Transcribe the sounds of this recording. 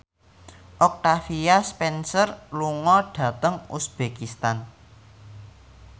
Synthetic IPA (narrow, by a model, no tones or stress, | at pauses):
ʔɔk̚t̪afiaspɛnsərluŋɔɖ̥ä̤t̪əŋusb̥ekist̪an